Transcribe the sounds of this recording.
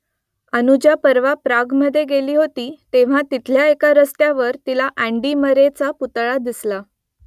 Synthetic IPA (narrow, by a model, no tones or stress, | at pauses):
ənud͡ʑjapəɾʋapɾaɡməd̪ʱːjeɡeliːɦot̪iːt̪eʋ̤ãt̪it̪ʰljaekaɾəst̪jaʋəɾt̪ilaʔæɳɖiːməɾet͡saput̪ɭad̪isla